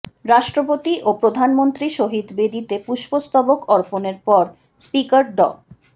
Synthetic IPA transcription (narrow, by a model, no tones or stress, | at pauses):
ɾaʃʈɾopot̪iʔopɾod̪ʱanmont̪ɾiʃoɦid̪bed̪it̪epuʃpost̪abokɔɾponeɾpɔɾ | spikaɾɖɔ̰